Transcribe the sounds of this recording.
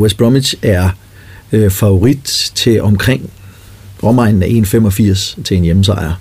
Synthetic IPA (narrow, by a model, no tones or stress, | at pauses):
wesb̥ʁɒmi̥ɕæɐ | fɑ̈o̝ʁid̥t͡sʰe̝ɒ̽mkʰʁeŋ̰ | ʁɒmɑ̈ɪ̰nn̩æʔe̝̰ːnfem̰ɒ̽fiɐ̰st͡sʰe̝e̝njeməs̬ɑ̈ɪɐ